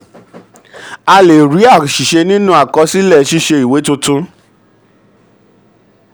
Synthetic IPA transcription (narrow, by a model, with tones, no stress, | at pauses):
a˧le˨ɾi˨˦a˦˨ʃi˨ʃe˧nĩ˦nũ˦a˦˨kɔ˧si˦lɛ˦˨ʃi˦ʃe˧i˨we˨˦tũ˧tũ˦